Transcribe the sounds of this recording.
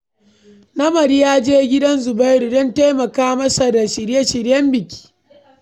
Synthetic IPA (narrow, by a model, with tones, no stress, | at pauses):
nɐ˦mɐ˨ɾi˦jaː˦d͡ʒeː˦ɡʲɪ˦dɐ˦nzʊ˨ba˦jɾu˨dɔ˦nta˦jmɐ˨kaː˦mɐ˦sa˨da˨ʃɪ˨ɾje˦ʃɪ˨ɾjɐ˦mbɪ˨kʲi̥ː˦